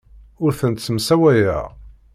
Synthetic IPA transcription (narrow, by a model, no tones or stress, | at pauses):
ʊɾθənt̪smsæwæjæ̰ʁ